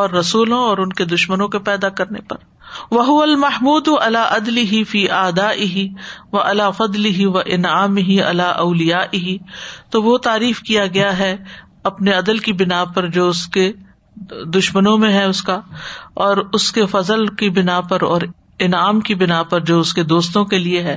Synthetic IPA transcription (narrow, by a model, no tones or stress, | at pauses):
ɔːɾːɐsuːlõɔːɾʊnked̪ʊʃmənõkepɛːd̪akɐɾnḛpɐ̰ɾ | ʋɐɦʊʋɐlmɐhmuːd̪ʔɐlaːʔɐd̪lɪɦifiːʔaːd̪aːʔɪɦiʋɐʔɐlaːfɐd̪lɪɦiʋɐʔɪnaːmɪɦiɐ̰laːʔɐʊlɪjaːʔɪɦit̪oʋot̪aːɾiːfkijaɡɐjaɦɛ | ɐpneɐd̪əlkibɪnapɐɾd͡ʒoːʊske | d̪ʊʃmənõmẽɦɛʊskaɔːɾʊskefɐzəlkibɪnapɐɾɔ̰ːɾ | ɪnaːmkibɪnaːpɐɾd͡ʒoːʊsked̪oːst̪õkelieɦɛː